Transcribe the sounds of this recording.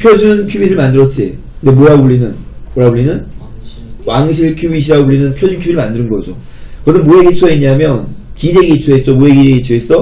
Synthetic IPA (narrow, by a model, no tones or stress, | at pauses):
pʰjod͡ʑunkʰubiɾɯɭmandɯɾʌt͡ɕ͈ʰi | nde̞moɾabuɭːinɯnmoɾabuɭːinɯn | waŋɕ̬ʰiɭkʰjubiɕ̬ʰiɾaɡobuɭːinɯnpʰjod͡ʑunkʰubiɾɯɭmandɯɾɯnɡʌd͡ʑo̰ | kɯʌsʰɯnmoeɡit͡ɕʰoeɲamjʌnkideɡit͡ɕʰoet͡ɕ͈omoeɡiɾeɡit͡ɕʰoes͈ʌ